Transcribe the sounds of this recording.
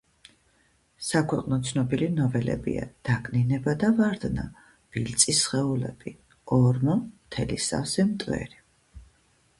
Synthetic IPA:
sakʰwɛqʼnɔt̪sʰnɔbilinɔvɛlɛ̰bḭa̰d̪̥aɡninɛbad̪avaɾd̪na | b̥ilt̪sʼisχɛulɛ̰b̥i | ɔɾmɔmt̪ʰɛlisa̰sɛmt̪ʼwɛ̰ɾi

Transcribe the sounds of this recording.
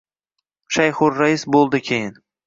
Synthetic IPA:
ʃajχʊɾːaɪsbolˠd̪ɪkʲʰejɪn

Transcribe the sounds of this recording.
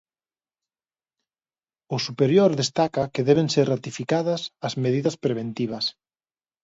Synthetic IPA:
ʊsupeɾjoɾðest̪akɐkɪðɛβ̞eŋseɾrat̪ifikaðɐsɐzmeð̞iðɐspɾeβ̞ent̪iβ̞ɐs

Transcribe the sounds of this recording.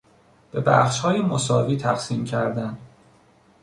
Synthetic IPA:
b̥e̞bæ̰χʃhɒːjemosɒːviːt̪ʰæqsiːmcʰæɾd̪æn

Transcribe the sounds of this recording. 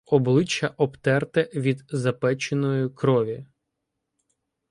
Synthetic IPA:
ɔblˠɪt͡ʃːɐʔɔpt̪ɛrt̪ɛʋʲid̪zɐpɛt͡ʃenɔjʊkɾɔʋʲi

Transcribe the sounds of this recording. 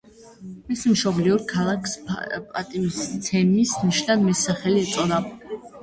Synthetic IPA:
mɛsmʃɔbliuɾkʰalˠakʰspʼat̪ʼimist̪sʰɛmisniʃnad̪mɛsaχɛliɛt̪sʼɔd̪a

